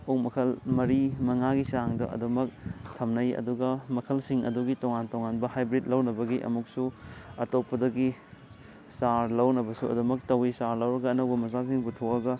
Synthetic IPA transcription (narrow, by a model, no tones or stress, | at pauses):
okmɐkʰɐlmɐɾimɐŋaɡisaŋdɐ̰ʔɐ̰dumɐk̚tʰɐmnɐjɐ̰duɡɐmɐkʰɐlsiŋɐ̰duɡitoŋantoŋanbɐhajbɾit̚lɐwnɐbɐɡiʔɐ̰muk̚suɐtopːɐdɐɡi | saɾlɐwnɐbɐsuɐ̰dumɐk̚tɐwisaɾlɐwɾɐɡɐːnɐwbɐmɐzasiŋputʰokɐɡɐ